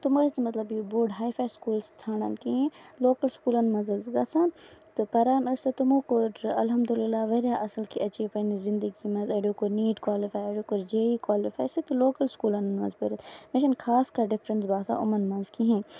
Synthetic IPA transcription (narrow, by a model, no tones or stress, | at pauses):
t̪ʊmɐsnmɐt̪lɐbjibuɖɦaːjfʰaːskuːlst͡sʰaːɽɐ̰nkiɦẽloːkɐlskuːlɐnmɐnzɐzɡɐsʰãːnt̪ɨpɐɾaːnɐst̪ɐt̪ʊmõːkʊɾɐlɦɐmd̪ulɪlːaːʋɐɾjaʔɐsɐlkiʔɐt͡ʃipɐnizɪ̃nd̪əɡimɐ̃zɐɖoːkʊɾniːɖkwaːlifaːjɐɖoːkʊɾd͡ʒeːikwaːlifaːjsit̪ɨloːkɐlskuːlɐnnmɐ̰zbɐɾɐt̪meʃɐnkʰaːskaɖɪfɾənsbaːsa̰ʔʊmɐnmɐ̃nzkiɦẽː